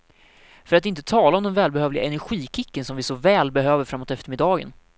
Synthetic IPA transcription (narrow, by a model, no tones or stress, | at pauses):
fœɾat̪ɪnt̪ət̪ʰɑːlaɔmd̪ɛnvɛːlbɛhøːvlɪɡa̰ɛnæɾɧiːkʰɪkːənsɔmvɪsɔvɛːlbɛɦøːvəɾfɾamːoːt̪ɛft̪əɾmɪd̪ːɑːɡə̰n